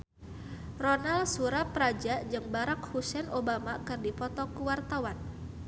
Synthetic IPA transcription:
rɔnalsuɾapɾad͡ʒad͡ʒɨŋbaɾak̚husɛnobamakɨrdipɔt̪ɔkuwart̪awan

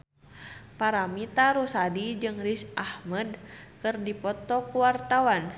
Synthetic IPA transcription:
paɾamit̪aɾusadid͡ʒɨŋrisʔahmədkɨrdipɔt̪ɔkuwart̪awan

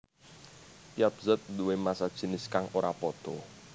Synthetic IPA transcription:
pijap̚zət̪̚d̪uwemasad̥ʒ̥ə̤nɪskaŋoɾapɔd̪̥ɔ

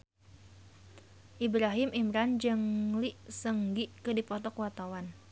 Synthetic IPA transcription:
ʔibɾaɦimimɾand͡ʒɨŋliʔsəŋɡiʔkɨdipɔt̪ɔkuwat̪awan

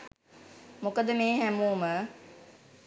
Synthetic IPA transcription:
mʊkəd̪əmeːɦæmuːmə

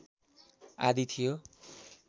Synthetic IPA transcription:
a̰d̪it̪ʰijo

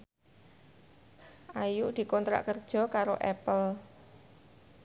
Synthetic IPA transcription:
ʔajuʔd̪̥i̤kɔnt̪ɾa̰ʔkərd̥ʒ̥ɔ̤kaɾoʔɛpəl

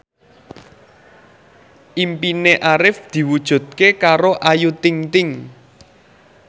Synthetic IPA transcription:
ʔimpineʔaɾɪfd̪̥i̤wud̥ʒ̥ṳd̪̥̚kekaɾoʔajut̪ɪŋt̪ɪŋ

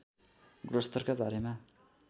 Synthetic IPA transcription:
ɡrʌst̪ʌrkabaɾema

